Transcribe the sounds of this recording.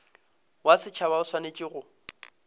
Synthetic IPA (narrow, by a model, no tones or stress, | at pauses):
wasɪt͡ʃʰaβaʊswanet͡ʃʼiɣʊ